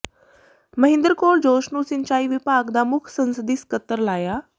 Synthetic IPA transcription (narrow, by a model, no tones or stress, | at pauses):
məɦɪ̃nd̪əɾkoːɾd͡ʑoːʃnuːsɪnt͡ɕaːiʋɪpaːkd̪aːmʊkʰsə̃nsəd̪iːskət̪ːəɾlaːjaː